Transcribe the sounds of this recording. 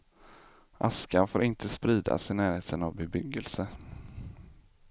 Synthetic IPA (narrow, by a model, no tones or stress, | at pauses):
ʔaskanfoːɾɪnt̪ʰəspɾiːd̪a̰sɪnæːɾheːt̪ʰənavbɛbʏɡːəlsə